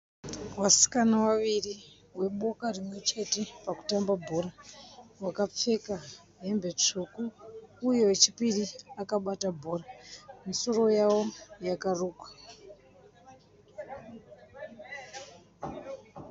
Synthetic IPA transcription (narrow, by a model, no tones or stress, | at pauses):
wasi̥kanawaʋiri | we̞ɓo̞karimwe̞t͡ʃe̞te̞paku̥tambabʱo̞ɾawakap͡fe̞ka | ɦe̞mbe̞t͡ʂukuːjo̞et͡ʃipiriakaɓatabʱo̞ːramiso̞ro̞jawo̞jakaruːkwḁ